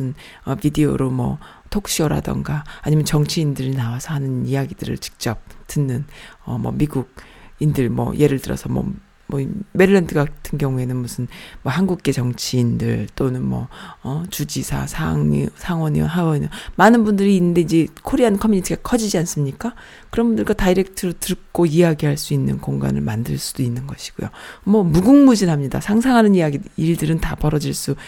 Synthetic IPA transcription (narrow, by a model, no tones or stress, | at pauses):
ɯn | ʌpideo̰ɾomʌ̰ | tʰokɕ͈iʌɾa̰dʌ̰ŋɡaaɲimjʌnt͡ɕʌŋt͡ɕʰiindɯɾinawasʰʌɦanɯnijaɡidɯɾɯ̰ɭt͡ɕi̥k̚t͡ɕ͈ʌp̚tɯnːɯnʌ̰mʌ̰miɡuɡ̚indɯɭmwʌ̰je̞ɾɯɭtɯɾʌ̰sʰʌmʌ̰ | mʌime̞ɾɯɭːʌndɯɡatʰɯnɡjʌŋue̞nɯnmusʰɯnmʌhanɡuk̚k͈e̞t͡ɕʌŋt͡ɕʰiːndɯɭt͈onɯnmwʌ̰ʌt͡ɕud͡ʑisʰa̰sʰaŋɲisʰaŋwʌɲḭnɦawʌɲomanɯnbundɯɾiːnːɯnde̞id͡ʑe̞kʰoɾiɦankʰʌmuɲitʰiɡakʰʌd͡ʑid͡ʑians͈ɯmɲik͈a | kɯɾʌnbundɯɭɡwataiɾe̞k̚tʰɯɾotɯɭk͈oijaɡiɦaɭs͈uinːɯ̰nkoŋɡa̰nɯ̰ɭmandɯɭs͈ud̥oinːɯnɡʌɕʰi̥ɡ̥o̰jo̰mʌmuɡuŋmud͡ʑinɦamɲida̰sʰaŋsʰaŋɦanɯnijaɡiiɭdɯɾɯntapʌɾʌd͡ʑiɭs͈u